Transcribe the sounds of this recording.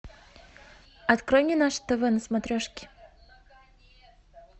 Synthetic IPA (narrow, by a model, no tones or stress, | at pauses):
ɐt̪kɾɔjnʲɪnaʂt̪ɛvɛnəsmat̪ɾʲɔʂkʲɪ̥